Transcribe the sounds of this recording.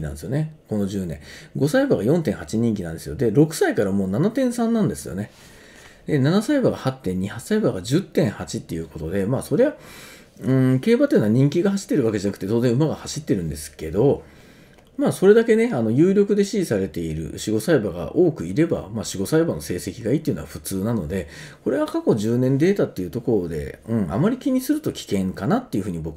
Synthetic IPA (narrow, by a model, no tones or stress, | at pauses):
inã̰nd̪esɨjone̞ko̞no̞ʑɨːnẽ̞ɡo̞saibaɡajõ̞nt̪̬ẽhat͡ɕiɲ̟ĩŋk̬ʲinãnd̪e̞sɨjod̪e̞ɾo̞kɯ̟̥saikaɾamo̞ːnanat̪ẽ̞ɰ̃sãnːãnd̪e̞sɨjo̞̰ne̞ | d̪e̞nanasaibaɡahat̪ːẽ̞ɲ̟ːihasaibaɡaʑɨt̪ːẽ̞ɰ̃hat͡ɕit̪ːe̞jɯ̟ːko̞t̪o̞d̪e̞maːso̞ɾe̞a | ɯ̃ke̞ːbat̪ːenːaɲ̟ĩŋk̬ʲiɡaɦaɕi̥t̪ːe̞ɾɯ̟βaked͡ʑanakt̪e̞t̪o̞ːzẽɯ̟maɡahaɕit̪ːe̞ɾɯ̟̃nd̪e̞sɨ̥ke̞d̪o̞ | maːso̞ɾe̞d̪ake̞ne̞ano̞jɯːɾʲo̞kɯ̟d̪e̞ɕiʑisaɾe̞t̪e̞iɾɯ̟̰ɯ̟ɕiɡo̞saibaɡa̰ʔo̞ːkɯ̟iɾe̞ba̰maːɕiɡo̞saibano̞se̞ːse̞kʲiɡait̪ːeɯ̟no̞a̰ɸɯ̟t͡sɨːnano̞d̪e̞ | ko̞ɾe̞βakako̞ʑɨːnẽ̞nd̪e̞ːt̪at̪ːe̞jɯ̟t̪o̞ko̞ɾod̪e̞̰ɯ̟̃ɴa̰maɾʲikʲiɲ̟isɨɾɯ̟t̪o̞kʲi̥kẽ̞ŋkanat̪ːe̞iɯ̟ɸɯ̟ːɲ̟ibo̞kɯ